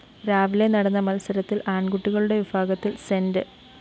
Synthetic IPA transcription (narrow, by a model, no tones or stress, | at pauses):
ɾaːʋile̞nɐɽɐnːɐmɐlɐsɐɾɐt̪ːilaːɳɡuʈːiɣɐɭuɽe̞ʋibʱaːɡɐt̪ːilsendɨ